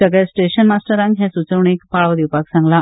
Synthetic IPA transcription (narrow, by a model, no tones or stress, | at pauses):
əɡəjsʈeɕənmasʈəɾãŋkɦjasut͡səʋɳekpaɭʋd̪iwpaksãŋɡla